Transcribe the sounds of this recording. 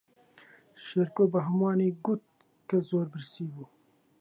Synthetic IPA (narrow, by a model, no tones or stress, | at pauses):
ʃeɾkoːbɐɦɐmɑːniɡut̪̚ | kɐzoːɾbɨɾsiːbu